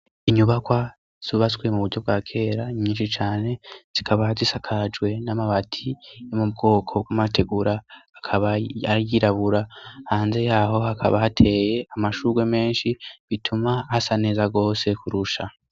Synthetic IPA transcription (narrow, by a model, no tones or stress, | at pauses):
iɲuβakwa | z̥uβasɡwemuβuɾɟo̞b̚ɡwaːkʰe̞ːɾaɲiːnʃit͡ʃaːne̞z̥ikʰaβahazisakʰad͡ʒɡwe̞namaβatʰijomub̚ɡo̞ːkʰo̞b̚ɡamate̞ɡuɾaːkʰaβaajiɾaβuɾahaːnze̞jaːɦo̞hakʰa̰βahatʰe̞ːje̞amaʃuɡwe̞me̞ːnʃiβitʰumahasane̞ːzaɡo̞ːse̞kuɾuʃa